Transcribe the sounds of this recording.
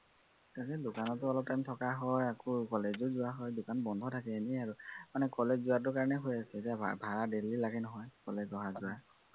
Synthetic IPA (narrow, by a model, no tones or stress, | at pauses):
katɛdʊkanɔtʊɔlɔp̚tajmtʰɔkaɦɔjakukɔled͡ʒozʊaɦɔjdʊkanbɔndʱɔtʰakɛeniaɹumanɛkɔled͡ʒzuatʊɹkaɹɔnɛɦojasɛetijabʱaɹadelilaɡɛnɔɦɔjkɔlezɔɦazʊa